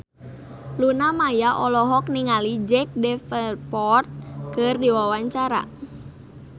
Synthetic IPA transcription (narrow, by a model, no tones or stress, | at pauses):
lunamajaʔɔlɔɦɔk̚niŋalid͡ʒɛk̚dɛfəlpɔrt̪̚kɨrdiwawaɲt͡ʃaɾa̰